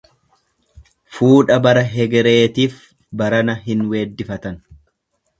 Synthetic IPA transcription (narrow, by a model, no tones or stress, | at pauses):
fuːᶑɐbɐɾɐɦɛɡɛɾe̞ːt̪iːf | bɐɾɐnɐɦɪnwe̞ːd̪ːɪfɐt̪ɐn